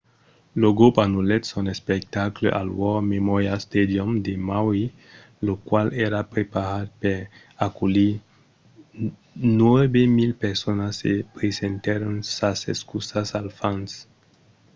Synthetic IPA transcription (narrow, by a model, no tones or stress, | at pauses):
loɡopanulet̪sonespek̚t̪aklḛʔa̰lwɔmemɔjast̪ed̪jomd̪emawi | lokwaleɾapɾepaɾat̪̚peɾ | akuli | nwebemilpeɾsonasːepɾesent̪eɾonsaseskusasalfans